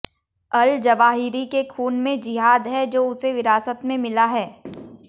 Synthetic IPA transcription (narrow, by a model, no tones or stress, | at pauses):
ɐld͡ʒɐʋaːɦiːɾikekʰuːnmẽd͡ʒɪɦaːd̪ɦɛd͡ʒoːʊseʋɪɾaːsət̪mẽmɪlaɦɛː